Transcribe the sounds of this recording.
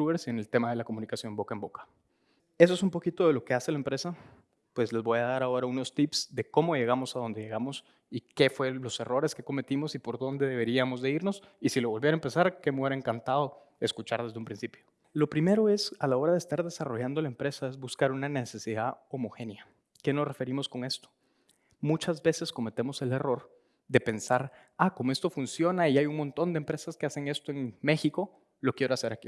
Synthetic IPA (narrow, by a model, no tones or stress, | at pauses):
uβeɾsene̞lt̪e̞maðe̞lako̞munikasjo̞mbo̞kaembo̞kḁ | e̞s̬oe̞s̬umpo̞kit̪o̞ðe̞lo̞ke̞ase̞laempɾe̞sa | pwe̞zle̞zβo̞jaðaɾao̞ɾauno̞st̪ipsd̪e̞ko̞mo̞ʝe̞ɣ̞amo̞saðo̞nd̪e̞ʝe̞ɣamo̞s | ike̞fwe̞lo̞se̞ro̞ɾe̞ske̞ko̞me̞t̪imo̞sipo̞ɾðo̞nd̪e̞ðe̞βe̞ɾiamo̞zðe̞iɾno̞sisilo̞βo̞lβjeɾaempe̞saɾke̞meeɾaeŋkant̪aðo̞ | e̞skut͡ʃaɾðezðeumpɾinsipjo̞ | lo̞pɾime̞ɾo̞e̞salao̞ɾaðest̪aɾðe̞saro̞ʝand̪o̞laempɾe̞sae̞zbuskaɾunanese̞siðao̞moxe̞nja | ke̞no̞sre̞fe̞ɾimo̞sko̞ŋe̞st̪o | mut͡ʃazbe̞se̞sko̞me̞t̪e̞mo̞se̞le̞ro̞ɾ | d̪e̞pe̞nsaɾ | akomoe̞st̪o̞funsjo̞naiajuŋmo̞nt̪o̞nd̪empɾe̞saskease̞ŋe̞st̪oe̞ŋme̞xiko̞ | lo̞kje̞ɾoase̞ɾaki